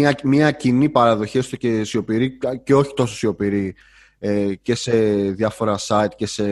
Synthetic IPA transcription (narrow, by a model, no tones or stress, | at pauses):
ɐmɐcinipɐɾɐðo̞çiest̪ocesio̞piɾice̞o̞çi̥t̪o̞sosio̞piɾi | ece̞se̞ðjɐfo̞ɾɐsɐit̪ce̞se̞